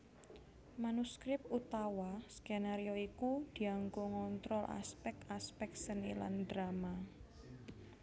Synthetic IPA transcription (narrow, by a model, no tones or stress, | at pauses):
manuskɾɪp̚ut̪awaskenaɾioikud̪̥i̤aŋkoŋɔnt̪ɾɔlʔa̰spɛk̚t̪aspɛk̚sənila̰ndɾama